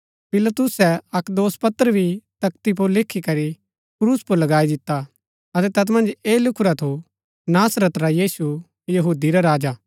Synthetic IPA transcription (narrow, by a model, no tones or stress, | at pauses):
pɪlɐt̪ʊsɛɐkd̪oːspɐt̪ːəɾəbʱit̪ɐk̚t̪ip̬ʊɾlɪkʰːikɐɾi | kɾuːspʊɾlɐɡaːid̪ɪt̪ːa | ɐt̪ɛt̪ɐt̪mɐ̃nd͡ʒeːlʊkʰʊɾat̪ʰo | naːsɾət̪ɾajiːsu | jɐɦuːd̪iɾaɾaːd͡ʒa